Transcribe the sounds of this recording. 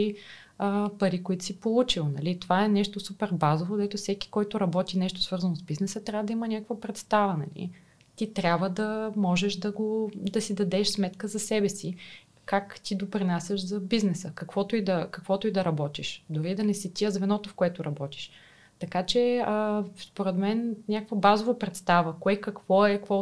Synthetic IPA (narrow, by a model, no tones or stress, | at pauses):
i | əpɐɾikoit̪ʊ̥sipolˠut͡ʃilˠnɐ̰lit̪ovaɛnɛʃt̪osupɛɾbazovod̪ɛt̪ofsɛki̥kɔjt̪ʊɾɐbɔt̪inɛʃt̪o̥svɤɾzɐnozbiznɛsət̪ɾʲavəd̪ɐimɐnʲakəkvəpɾɛt̪st̪avɐnɐ̰lḭ | t̪it̪ɾʲabvəd̪ɐmɔʒɛʃd̪ɐɡod̪ɐsid̪ɐd̪ɛʃsmɛt̪kəzɐsɛbɛsi | kakt̪id̪opɾinasəʃzɐbiznɛsəkɐkvɔt̪oid̪ɐkɐkvɔt̪oid̪ɐɾɐbɔt̪iʃd̪ʊɾid̪ɐnɛsit̪ʲiəzvɛnɔt̪ofkoɛt̪ʊɾɐbɔt̪i̥ʃ | t̪ɐkat͡ʃɛəspoɾɛt̪mɛnnʲakəkvəbazovopɾɛt̪st̪avəkoɛkɐkv̥ɔɛkvɔ